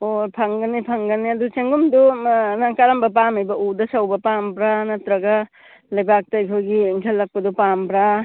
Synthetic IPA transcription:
opʰɐŋɡɐnipʰɐŋɡɐniɐdut͡ʃeŋɡumdunaŋkaɾɐmbɐp̬amɐjbɐʔudɐsɐwbɐpambɾanɐtɾɐɡɐ | lɐjbak̚tɐjkʰojɡiŋkʰelːɐk̚pɐdupambɾa

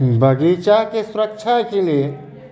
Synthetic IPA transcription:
bʱəɡit͡ʃakesʊɾək̚t͡ʃʰakelie

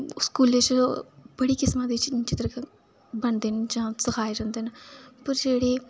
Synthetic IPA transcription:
skuːlet͡ʃbəɽiːkɪsmãd̪it͡ʃt͡ʃɪt̪ɾək | bɐnd̪end͡ʒãːsəkʰaːeɾɛ̃ːnd̪enpəɾd͡ʒeːɽe

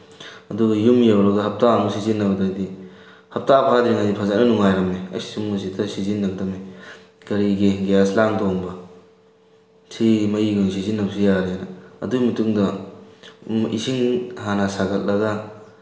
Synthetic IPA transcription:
ɐduɡɐjumjawɾɐɡɐhɐp̚tamusizinːɐbɐdɐdi | hɐp̚tapʰadɾiŋadipʰazɐk̚nɐnuŋajɾɐmeɐ̰jsi̥sumːusitɐsizinːɐɡ̚dɐme | kɐɾiɡeɡejaslaŋdoŋbɐ | sʰimɐjiɡunsizinːɐbsijaɾenɐɐ̰dumɐtuŋdɐ | ʔḭsiŋhanasaɡɐt̚lɐɡɐ

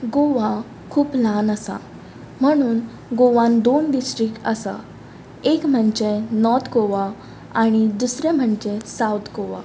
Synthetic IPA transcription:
ɡoʋa | kʰuːplanəsa̰ | m̤əɽ̃uːn | ɡoʋãnd̪onɖisʈɾikəsa̰ | ekm̤əɳd͡ʑenɔt̪ʰkoʋa | aɽ̃id̪usɾẽm̤əɳd͡ʑesawt̪ʰkoʋa̰

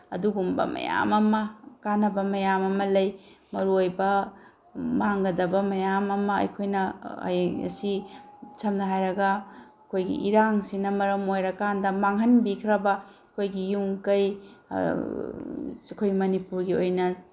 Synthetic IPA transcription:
ɐ̰duɡumbɐ̰mɐ̰ja̰mɐmɐkanɐbɐmɐjamɐmɐlɐjmɐɾuojbɐ | maŋɡɐdɐbɐmɐjamɐmɐɐ̰jkʰojnɐɐ̰jɐ̰sit͡ʃʰɐmnɐɦajɾɐɡɐ | kʰojɡḭʔiɾaŋsinɐmɐɾɐmojɾɐkandɐmaŋɦɐnbikʰɾɐbɐ | kʰojɡijuŋkɐj | sikʰojmɐnipuɾɡiojnɐ

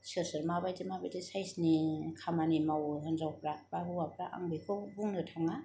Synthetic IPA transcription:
sɯsɯɾmabajdemabajdesajsnikʰamanimawɦanzawpɾab̥abɯwapɾaʔa̰ŋbikʰɯbuŋnɯtʰaŋa

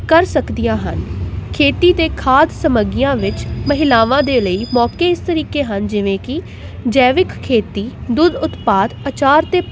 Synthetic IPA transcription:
kəɾsəkd̪ijãːɦə̰nkʰeːt̪iːt̪eːkʰaːd̪səməɡɪjãːʋɪt͡ʃməɦɪlaːʋãːd̪eːləiːmɔːkeːɪst̪əɾiːkeːɦənd͡ʒɪʋẽːkɪ | d͡ʒɛːʋɪkkʰːeːt̪iːd̪ʊd̪ʊt̪paːd̪ət͡ʃaːɾt̪eː

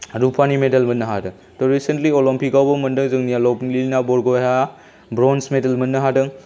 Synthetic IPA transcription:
ɾupʰanimedɐlmɐnːɐɦa̰dɯŋ | dɔɾisentliɔlɔmpik̚awbɐmɐndɯŋzɯŋnijalɔpŋlilnabɔɾɡɔjɦa | bɾɔnsmedɐlmɐnːɯɦadɯŋ

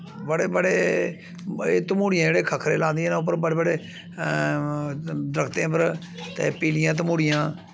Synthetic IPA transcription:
bəɽeːbəɽeː | eːt̪əmuːɽɪjãːd͡ʒeːɽeːkʰəkʰɾeːlãːnd̪ɪjẽːnãːʊp̬ːəɾbəɽeːbəɽeː | d̪ɾəkʰt̪ẽːpəɾ | t̪eːpiːlɪjãːt̪̬əmuːɽɪjãː

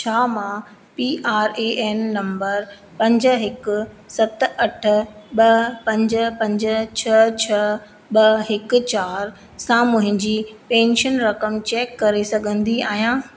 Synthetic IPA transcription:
t͡ɕʰaːmã | piːʔaːɾeːʔɛnːɐ̃mbəɾ | pɐ̃ɲd͡ʑɦɪkʊ̆ | sɐt̪ɐʈ̆ʰɓɐpɐ̃ɲd͡ʑə̆pɐ̃ɲd͡ʑə̆t͡ɕʰɐt͡ɕʰɐ | ɓɐɦɪkʊ̆t͡ɕaːɾ | sãmʊ̃ɦɪ̃ɲd͡ʑiːpẽːnʃənɾɐkəmt͡ɕeːkːɐɾesɐɡʱə̃nd̪iaːɦijãː

